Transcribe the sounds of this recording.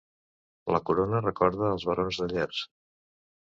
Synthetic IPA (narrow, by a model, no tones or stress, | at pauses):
ləkuɾonərəkɔɾð̞əːlˠzβəɾonzðəʎɛrs